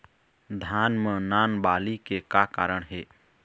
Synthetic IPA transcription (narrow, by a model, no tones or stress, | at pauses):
d̪ʱanmenanbalikekaka̰ːɾəɳ̃ɦe